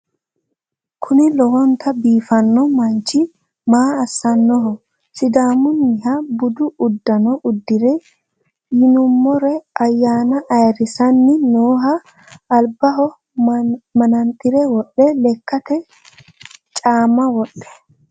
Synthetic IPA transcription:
kʰʊnɪlɔhɔnt̪ʰɐbiːfɐnːɔmɐnt͡ʃɪ | maːsːɐnːɔɦɔ | sɪd̪aːmʊnːɪhɐbʊd̪ʊʊd̪ːɐnɔʔʊd̪ːɪɾɛ | jɪnʊmːɔɾɛɐjːaːnɐʔɐjɾɪsɐnːɪnoːɦɐː | lbɐɦɔ | mɐnɐnt̪ʼɪɾɛwɔɗːɛlɛkːɐt̪ɛ | t͡ʃʼaːmɐwɔɗːɛ̥

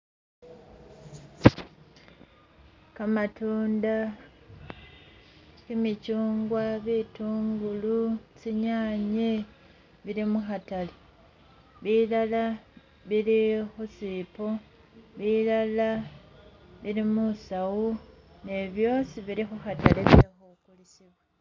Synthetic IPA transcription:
kamatuːnda | kimicuːŋɡwaβituːŋɡulusiɲaːɲe | βiɾimuxatali | βilala | βiɾixusipo | βilala | βiɾimusawu | ne̞βjo̞siβiɾixuxatalesexukulisiβwa

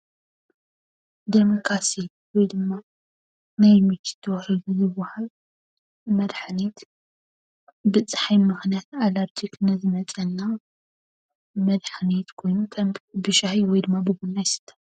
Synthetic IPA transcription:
d̪emokɾasi | wɔjd̪ɨmːa | najmit͡ʃ̪i̥t̪ʰːɐwhilujɪwahal | mɐd̪ħanit̪ | bɨt͡sʼħajmɨxnijat̪alaɾd͡ʒiknɐzɨmɐt͡sʼɐnːa | mɐd̪ħanit̪kʰo̞jnukʰɐmbɨʃahiwɔjd̪ɨmːabɨɡunːajsɨ̥t̪ʰːɐ

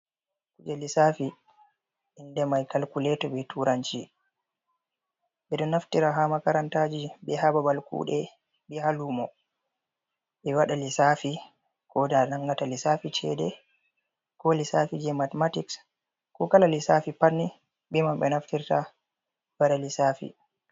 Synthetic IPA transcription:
kud͡ʒɛlisafi | indɛmajkalkulɛtɔɓɛtuɾaɲt͡ʃi | ɓɛɗɔnaftiɾaɦamakaɾantad͡ʒibɛhababalkṵːɗɛ | ɓɛhalumɔ | ɓɛwaɗalisaːfi | kɔdanaŋɡatalisafit͡ʃɛ̰dɛ | kɔlisafid͡ʒɛmatmatiks | kɔkalalisafipanːi | ɓɛmambɛnaftiɾta | baɾalisafḭ

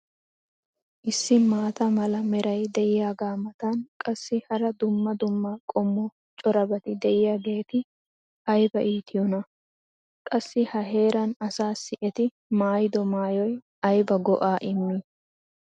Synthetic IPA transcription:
ʔɪsːɪmaːt̪ɐmɐlɐmɛɾɐjd̪ɛʔɪjaːɡaːmɐt̪ɐnkʼɐsːɪhɐɾɐd̪ʊmːɐd̪ʊmːakʼɔmːɔ | t͡ʃʼɔɾɐbɐt̪ɪd̪ɛʔɪjaːɡe̞ːt̪ɪ | ɐjbɐʔiːt̪ʰɪjɔnɐ | kʼɐsːɪhɐɦe̞ːɾɐnɐsaːsːɪʔɛt̪ɪ | maːjɪd̪ɔmaːjɔj | ɐjbɐɡɔʔaːʔɪmːɪ

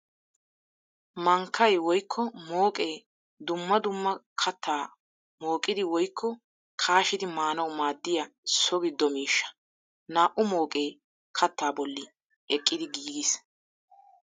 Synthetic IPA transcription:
mɐŋkʰːɐjwɔjkʰːɔmoːkʼe̞ː | d̪ʊmːɐd̪ʊmːɐkʰɐt̪ʰːaː | mo̞ːkʼːɪd̪ɪwɔjkʰːɔ | kʰaːʃɪd̪ɪmaːnɐwmaːd̪ːɪjɐsɔɡɪd̪ɔmiːʃːɐ̥ | naːʔʊmo̞ːkʼeː | kʰɐt̪ːaːbɔlːɪ | ɛkʼːɪd̪ɪɡiːɡɪs

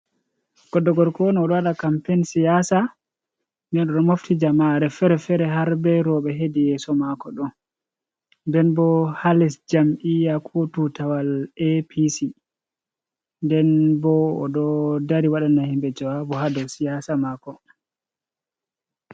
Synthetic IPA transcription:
ɡ̥ɔdːɔɡɔɾkɔniɔɗɔwaɗakampensijasa | ndɛnɗɔɗɔmoftid͡ʒamaɾɛfɛɾɛfɛɾɛɦaɾbɛɾɔɓɛɦedijɛsɔmakɔɗɔn | ndɛnbɔhalɛsd͡ʒamʔijakotutawalepʰisi | ndɛnbɔɔ̰ɗɔdaɾiwaɗanahimbɛd͡ʒawabɔɦadɔwsijasamakɔ

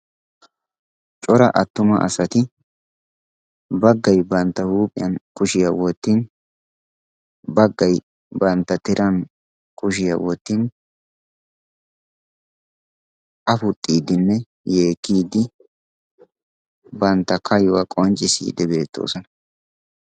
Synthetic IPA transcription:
t͡ʃʼɔɾɐʔɐt̪ːʊmɐ̰ʔɐ̰sɐt̪ɪ | bɐɡːɐjbɐnt̪ːɐhuːpʼɪjɐnkʊʃɪjɐwɔt̪ːin | bɐɡːɐj | bɐnt̪ːɐt̪ɪɾʔɐn | kʊʃ̬ɪjɐ̰wɔt̪ːin | ʔɐfʊt̪ʼːiːd̪ːɪnːɛ | jeːkːiːd̪ɪ | bɐnt̪ːɐkʰɐjʊwɐkʼɔnt͡ʃʼɪsḭːd̪ɛbeːt̪ːo̞̰ːsɔnɐ

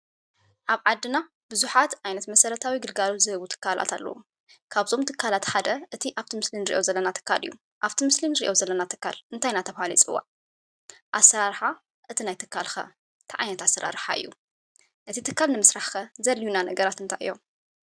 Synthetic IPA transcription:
ʔaβʕad̪ːɨna | bɨzuħat̪ʔajnɐt̪mɐsɐɾɐt̪ʰawiɡɨlɡalot̪zɨhɨβut̪ʰɨ̥kʰːala̰t̪ʰa̰lːɐ̰wu | kʰaβzo̞mt̪ʰɨkʰːalat̪ħad̪ɐʔɨt̪ʰiʔaβt̪ʰimɨslinɨɾḭʔo̞zɐlːɐnat̪ʰɨ̥kʰːa̰lɨ̰jːu | ʔaβt̪ʰimɨslinɨɾiʔo̞zɐlːɐnat̪ʰɨ̥kːa̰lɨnt̪ʰajnat̪ʰɐβhalḭt͡sʼɨwːa̰ | ʔasːɐɾaɾħa | ʔɨt̪ʰinajt̪ʰɨkʰːalxɐ̰ | t̪ʰaʕa̰jnɐt̪asːɐɾa̰ɾħaɨ̰jːu | ʔɨt̪ʰit̪ʰɨkːalnɨmɨsɾaħxɐzɐljunanɐɡɐɾat̪ɨnt̪ʰajʔɨ̰jːo̞

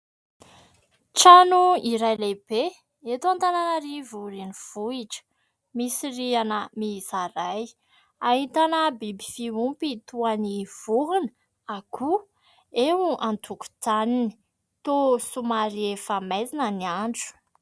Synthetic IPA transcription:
ʈ͡ʂanuiɾajleb̥e | et̪uant̪ananəɾivuɾiniv̥uiʈ͡ʂə̥ | misirianəmizaɾaj | aɦit̪anəbibifiumpit̪uaniv̥uɦun | aku | ewuʔant̪ʰuku̥d͡zanini̥ | t̪osumaɾiefamajzinəniaɳɖ͡ʐu̥

